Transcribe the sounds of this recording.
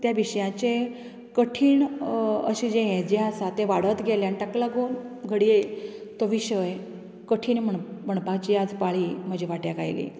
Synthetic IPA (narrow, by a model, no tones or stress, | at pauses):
t̪jaʋiɕjãt͡ɕe | kəʈʰiːɳə̰ɕid͡ʑeɦẽd͡ʑeasat̪eʋaɽət̪ɡʱeljaniʈaklaɡonɡʱəɽiet̪oʋiɕəj | kəʈʰiːnməɳm̤əɳpaɡt͡ɕiad͡zpaɭim̤əd͡ʑʱeʋaʈjaka̰jlḭ